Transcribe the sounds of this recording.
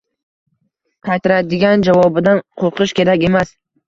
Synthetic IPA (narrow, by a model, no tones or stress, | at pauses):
qʰɑjt̪ʰɪɾad̪ɪɡʲand͡ʒavɒbɪd̪anqʰoqʰɨʃkʲe̞ɾakʲe̞mas